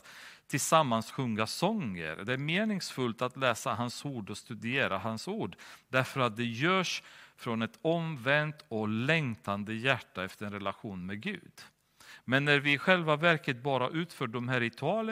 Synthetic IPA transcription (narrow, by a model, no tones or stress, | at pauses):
t̪ʰɪlsamːansɧɵŋːasɔŋːə̰ɾd̪ɛæɾmeːnɪŋsfɵlt̪at̪lɛːsaɦansuːɖɔst̪ɵd̪ɪeːɾaɦansuːɖdæɾfœɾat̪̚d̪ɛjœːʂfɾɔnɛt̪ɔmvɛnt̪ɔlɛŋt̪ʰand̪əjæʈːaɛft̪əɾɛnɾɛlaɧuːnmɛɡʉ̟ːd̪ | mɛnːæɾvɪɧɛlvavæɾkət̪̚bɑːɾaʔʉ̟ːt̪fœːɖɔmɦæːɾɪt̪ʰɵɑːlə